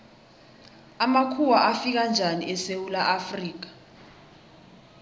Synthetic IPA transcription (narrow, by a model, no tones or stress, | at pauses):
amakʰuwaʔafik̬and͡ʒʱaniʔɛsewulaʔafriːk̬ḁ